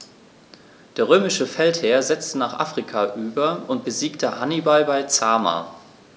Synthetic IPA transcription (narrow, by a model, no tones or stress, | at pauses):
d̥eːɐʁøːmɪʃəfɛltheːɐzɛt͡stənaːχʔa̰ːfʁ̥ikʰaʔyːbɐʊnt̚b̥əziːktʰəhanibalbaɪt͡saːma̰ː